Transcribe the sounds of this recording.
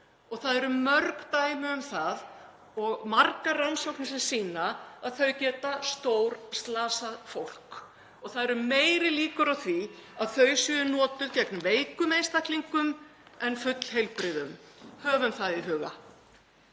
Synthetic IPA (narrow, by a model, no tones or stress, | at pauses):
ɔɣθaðɛɾʏmœɾkt̪aːjmʏʏmθað | ɔɣmarkaransɔwknɪsɛmsiːnaaðθœɥcɛːt̪ast̪owɾst̪laːsafowl̥k | ɔɣθaðɛɾʏmeːjɾɪliːkʏɾawθviaðθœɥsɪnɔːt̪ʏðcɛknʏveːjkʏmejnst̪akliŋkʏmɛnfʏt̪l̥ɦejlpɾɪðʏmhœːvʏmθaðiɦʏːɣa̰